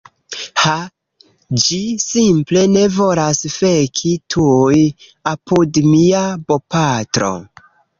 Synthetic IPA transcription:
ha | d͡ʒisimple̞ne̞vo̞lasfe̞kʰitʰuj | apʰudmiabopatɾo̞̰

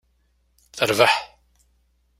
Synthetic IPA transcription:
θθəɾvəħ

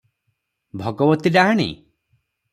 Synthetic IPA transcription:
bʱɔɡɔbɔt̪idaɦaɽ̃ḭ

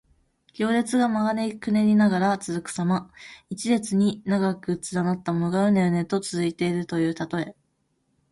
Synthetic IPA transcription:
kʲo̞ːɾe̞t͡sɨɡamaɡane̞ikɯ̟ne̞ɾʲinaɡaɾat͡sɨzɨkɯ̟̥samait͡ɕide̞t͡sɨɲ̟inaɡakɯ̟t͡sɨd̪anat̪ːamo̞no̞ɡaɯ̟̃nd̪e̞one̞t̪o̞t͡sɨzɨit̪e̞iɾɯ̟t̪o̞jɯ̟ːt̪at̪o̞e̞

